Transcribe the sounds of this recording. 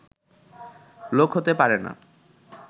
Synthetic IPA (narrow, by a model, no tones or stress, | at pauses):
lokɦot̪epaɾena̰